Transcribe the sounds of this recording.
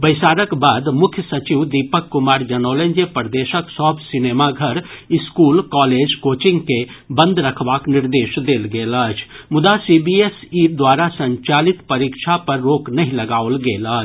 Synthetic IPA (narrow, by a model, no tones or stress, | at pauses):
bəɪsaːɾəkbaːd̪mʊkʰjəsɐt͡ʃiʋd̪ipəkːʊmaːɾd͡ʒɐnoːlẽnd͡ʒepəɾd̪eːʃəksɔːbʱsɪneːmaɡʱəɾɪskuːlkɔːleːd͡ʒkoːt͡ʃɪ̃ŋɡkebə̃nd̪ɾəkʰʋaːknɪɾd̪eːʃd̪eːlɡeːləːt͡ʃʰmʊd̪asibiesid̪waːɾasə̃ɲt͡ʃaːlɪt̪pəɾikʃʰapɐɾːoːknɐɦĩlɐɡaːolɡeːləːt͡ʃʰ